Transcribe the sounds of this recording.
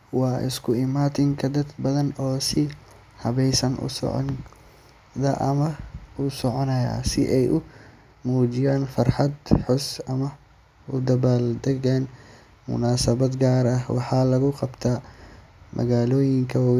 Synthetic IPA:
wɑːʔɪ̰skʰʊɪmaːt̪ɪŋkʰɐd̪ɐd̪bɐðɐnɔːsɪ | hɐβɛjsɐnʔʊ̰sɔ̰ʕɔ̰n | d̪ɐʔɐmɐʊsɔʕɔnɐja̰ːsɪ̰ʔɛjʔʊ | muːd͡ʒɪjaːnfɐrħɑd̪ħʊsɐmɐ | ʊd̪ɐβaːld̪ɐɣan | mʊ̰naːsɐβɐd̪ɡaːɾɐhwɑ̰ħɑːlɐɣʊqɑbt̪ʰaː | mʔɐ̰ɣaːlɔːjɪŋkʰɐ

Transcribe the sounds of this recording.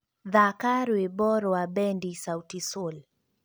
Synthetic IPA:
ðakaɾwebɔɾɔwaɓɛndisautisul

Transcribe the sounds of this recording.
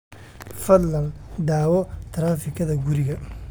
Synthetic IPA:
fɐd̪lɐlɖ̪aːwɔt̪ʰɾaːfɪkʰɐðɐɡʊɾɪɣɐ

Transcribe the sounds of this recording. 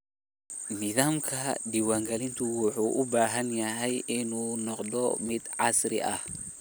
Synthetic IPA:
nɪðaːmkʰɐɖiwaːŋɡɐlɪnt̪ʰʊwʊħuːʔʊbaːɦɐnjɐɦɛjɪnuːnɔqd̪ɔ̰mɪd̪ʕɑsɾɪ̰ʔɐh

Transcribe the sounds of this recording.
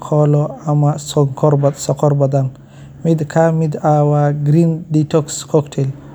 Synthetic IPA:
kʰɔlɔamasɔŋkʰɔɾbsɔkʰɔɾbɔd̪an | mid̪kʰamid̪awaɡɾinditɔkskʰɔkʈʰel

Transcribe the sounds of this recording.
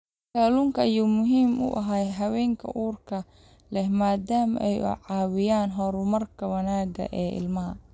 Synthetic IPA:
kaːlʊŋkʰɐɐjuːmʊɦiːmʔʊ̰ʔɐɦaːjɦɐwɛːŋkʰɐ̰ʔuːrkʰɐ | lɛhmaːd̪aːmʔɛjʊ̰ʕɑːwɪjaːnɦɔɾʊmɐrkʰɐwɐnaːɡɐ̰ʔɛːʔɪ̰lmɐɦɐ

